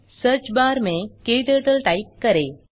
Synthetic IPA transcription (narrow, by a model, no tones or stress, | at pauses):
sɐɾt͡ʃbaːɾmẽkeːd̪əʈɐlʈɐjkːɐɾeː